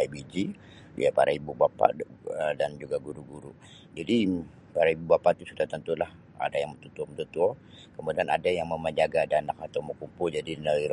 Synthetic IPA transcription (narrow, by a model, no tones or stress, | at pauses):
abid͡ʒḭ | japa̰ɾʔaibubapa̰ədand͡ʒuɡaɡuɾuɡuɾu | d͡ʒadi | paɾaibubapat̪usudaht̪ənt̪ulah | a̰dajaŋmət̪ut̪uɔmət̪ut̪uɔ | kəmudiana̰dajaŋməməɲd͡ʒaɡadanak̚at̪awməkumpʊld͡ʒadinəliɾ